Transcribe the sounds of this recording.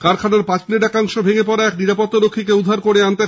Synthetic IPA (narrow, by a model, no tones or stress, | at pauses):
kaɾkʰanaɾpãt͡ɕmineʈakaŋʃobʱeɡepɔɾaɛkniɾapot̪ːaɾokʰːikeud̪ʱːaɾkoɾeant̪e